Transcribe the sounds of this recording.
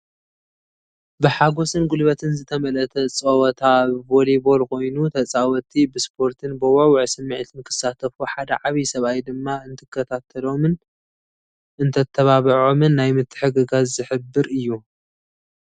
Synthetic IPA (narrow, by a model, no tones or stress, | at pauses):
bɨħaɡo̞sɨnɡulβɐt̪ʰɨnzɨt̪ʰɐmɐlɐt̪ʰɐt͡sʼɐwɐt̪ʰaβbolibo̞lkʰo̞jnut̪ʰɐt͡sʼawɔt̪ʰibɨspʰo̞ɾt̪ʰɨnbɨwawʊʕsɨmːɨʕt̪ʰɨnkʰɨ̥sːat̪ʰɐfuħad̪ɐʕaβisɐβajd̪ɨmːaɨnt̪ʰɨkʰːɐt̪ʰat̪ʰɐlo̞mɨn | ʔɨnt̪ʰɐt̪ʰːɐβaβɨʕo̞mɨnːajmɨt̪ʰːɨ̥ħɨɡɨɡazzɨħɨbːɨɾɨjːu